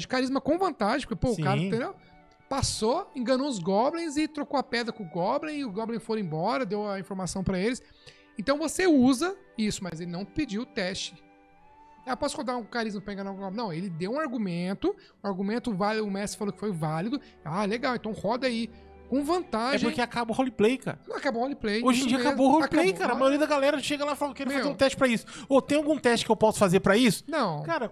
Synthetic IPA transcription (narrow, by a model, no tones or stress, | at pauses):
d͡ʒɪʊkaɾizmɐkõvɐ̃nt̪aʒẽpʊ̥ɾkepoʊkaɾɐẽd̪ew | pasoẽŋɡɐnoʊzɡɔblẽj̃zɪt̪ɾokoɐpɛd̪ɾɐkõʊɡɔblẽj̃ɪʊɡɔblẽj̃foɾẽbɔɾɐd̪ewɐĩfoɾmasɐ̃w̃pɾɐelɪs | ẽt̪ɐ̃w̃voseuzɐ | isʊmɐzelɪnɐ̃w̪̃pɪd͡ʒiwʊt̪ɛst͡ʃɪ | pɔsʊ̥hod̪aũkaɾizmɐpɾɐẽɡɐnaʊɡɔb̃nɐ̃w̃elɪd̪ewũaɾɡumẽnt̪ʊ | ʊ̃aɾɡumẽnt̪ʊvalid̪ʊʊmɛst̪ɪ̥falokɪ̥fojvalid̪ʊ | aleɡawẽt̪ɐ̃w̃hɔd̪ɐai | kõvɐ̃nt̪aɛʒpʊɾ̃keakabɐʊhɔliplejka̰ɾɐnɐ̃w̃akabɐhɔliplejoʒẽd͡ʒiɐaakabowholiplejkaɾɐmajoɾiɐd̪ɐɡalɛɾɐʃeɡɐlafalaewkɛɾʊmefaeɾũt̪ɛst͡ʃɪ̥pɾɐisʊ̥ot̪ẽj̃awɡũt̪ɛst͡ʃɪ̥kɪewpɔsʊ̥fazeɾpɾɐisʊ̥nɐ̃w̃kaɾɐ